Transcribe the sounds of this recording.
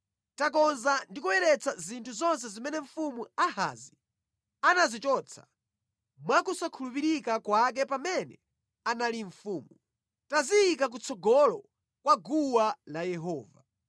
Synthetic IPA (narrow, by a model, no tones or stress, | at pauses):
tak̬ɔnzandikuwɛɾɛt͡sʰazintʰuzɔns̬ɛzimɛnɛɱ̩fumuaha̰zi | anazit͡ʃɔt͡sʰḁ̰ | mwakusakʰulupiɾikakwak̬ɛpamɛnɛ | analiɱ̩fuːmu | tazijːkak̬ut͡sʰɔɡɔlɔ | kwaɡuwalajɛɦɔːva̰